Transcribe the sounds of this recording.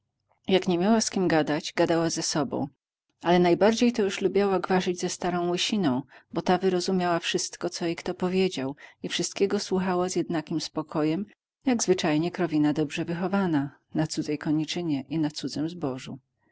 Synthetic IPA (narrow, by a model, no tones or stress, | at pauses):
jakɲɛmʲjawaskʲimɡad̪ad͡ʑɡad̪awazɛsɔbɔ̰̃w̃ | ʔalɛnajbaɾd͡ʑejt̪ɔjuʂlubʲjawaɡvaʐɘd͡ʑzɛst̪aɾɔ̃w̃wɘɕinɔ̃w̃bɔt̪avɘɾɔzumʲjawafʂɘst̪kɔt̪sɔjejkt̪ɔpɔvʲjed͡ʑawifʂɘst̪̚kʲɛɡɔswuxawazjɛd̪nakʲimspɔkʰɔjɛm | jaɡzvɘt͡ʂajɲɛkɾɔvʲinad̪ɔbʐɛvɘxɔvana | nat̪sud̪zɛjkɔɲit͡ʂɘɲɛʔinat̪sud̪zɘmzbɔʐṵ